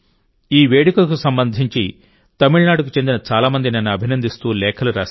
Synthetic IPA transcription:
iːʋeːɽikɐlɐkusɐmbɐnd̪ʱiɲt͡ʃi | t̪ɐmiɭnaːɽukut͡ʃe̞nd̪inɐt͡ʃaːlaːmɐnd̪inɐnːuɐbʱinɐnd̪ist̪uːlɛːkʰɐluɾaːs

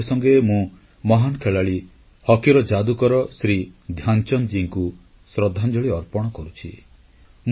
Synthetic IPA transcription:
sɔŋɡemũ | mɔɦankʰeɭaɭi | hɔkiɾɔd͡ʒad̪ukɔɾɔsɾid̪ʱjant͡ʃɔnd͡ʒiŋku | sɾɔd̪ʱːand͡ʒɔɭiɔɾpɔɽ̃ɔkɔɾut͡ʃʰḭ | m

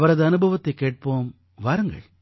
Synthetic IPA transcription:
ʋɐɾɐðɨɐnɯbʱɐʋɐt̪ːɐkːeːʈ̚poːm | ʋaːɾɐŋɡɐ̰ɭ

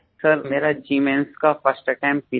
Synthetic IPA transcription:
səɾmeːɾad͡ʒiːmẽnskafəsʈʈɛ̃ːmppi

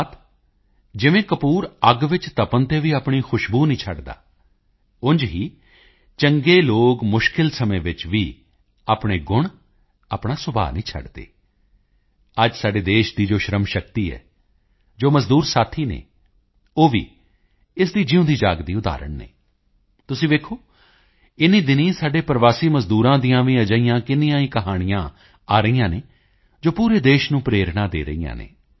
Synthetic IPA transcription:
t̪ʰ | d͡ʒɪʋẽːkəpuːɾəɡʋɪt͡ʃt̪əpənt̪eːʋiːaːpɳiːxʰʊʃbuːnĩːt͡ʃʰəɖd̪a̰ː | ʊnd͡ʒɦiː | t͡ʃəŋɡeːloːɡmʊʃkɪlsəmẽːʋɪt͡ʃʋiː | aːpɳ̃eːɡʊɳ̃ | aːpɽaːsʊbʱa̰ːnĩːt͡ʃʰə̰ɖd̪ḛː | əd͡ʒsaːɖeːd̪eːʃd̪iːd͡ʒoːʃɾəmʃəkt̪iːɛ̰ː | d͡ʒoːməzd̪uːɾsaːt̪ʰiːnḛː | oːʋḭː | ɪs̬d̪iːd͡ʒɪʊ̃ːd̪iːd͡ʒaːɡd̪iːʊd̪a̰ːɾə̰ɳnḛː | t̪ʊsĩːʋeːkʰoː | ɪnĩːd̪ɪnĩːsaːɖeːpəɾʋaːsiːməzd̪uːɾãːd̪ĩjãːʋĩːəd͡ʒəːijãːkɪnijãːĩːkəɦaːɽ̃ɪjãː | aːɾəijãːneː | d͡ʒoːpuːɾeːd̪eːʃnũːpɾeːɾɽãːd̪eːɾə̰ijã̰ːnḛː

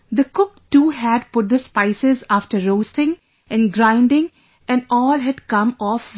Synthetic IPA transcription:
d̪əkʊk̚ʈuːɦæɖ̚pʊʈ̚d̪əspaɪsɪzaːfʈəɾːoːstɪ̃ŋ | ɛ̃nɡɾãɪ̃nɖɪ̃ŋ | ɛ̃nɔːlɦæɖkʌ̃mɔːf

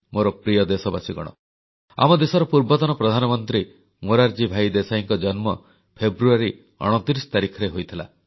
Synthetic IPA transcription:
moɾɔpɾijɔd̪esɔbasiɡɔɽ̃ɔ̰ | a̰mɔd̪esɔɾɔpuɾbɔt̪ɔnɔpɾɔd̪ʱanɔmɔnt̪ɾi | moɾaɾd͡ʒibʱajd̪esaiŋkɔd͡ʒɔnmɔ | pʰebɾuaɾi | ɔ̰ɽ̃ɔt̪iɾisɔ̥t̪aɾikʰɔɾeɦojt̪ʰila̰

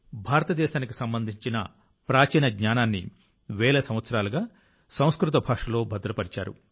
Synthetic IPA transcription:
bʱaːɾɐt̪ɐd̪ɛːʃaːnikisɐmbɐnd̪ʱiɲt͡ʃinɐ̰ | pɾaːt͡ʃiːnɐɡɲaːnaːnːḭ | ʋɛːlɐsɐm̃ʋɐt̪sɐɾaːlɐɡaː | sɐ̃w̃skɾut̪̬ɐbʱaːʂɐlo̞ːbʱɐd̪ɾɐpɐɽit͡ʃa̰ːɾṵ

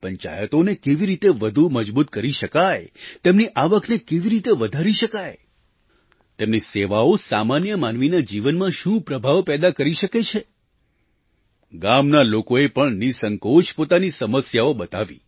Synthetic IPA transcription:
pəɲt͡ʃa̰jət̪onekeʋiɾit̪eʋəd̪ʱuməd͡ʒbut̪kəɾiʃəkajt̪emniʔaʋəknekeʋiɾit̪eʋəd̪ʱaɾiʃəkaj | t̪emniseʋaosamanjəmanʋinad͡ʒiʋənmãʃũpɾəbʱaʋpɛd̪akəɾiʃəket͡ʃʰe | ɡamnalokoepəɳnisəŋkoʃpot̪anisəməsjaobət̪aʋḭ

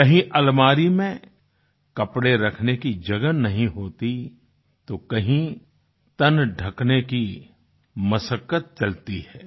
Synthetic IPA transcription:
kɐɦĩʔɐlmaːɾimẽ | kɐpɽeɾɐkʰnekid͡ʒɐɡənɐɦĩɦoːt̪i | t̪okɐɦĩ | t̪ɐnɖʱɐkneki | mɐsəkːət̪̚t͡ʃɐlt̪iɦɛː

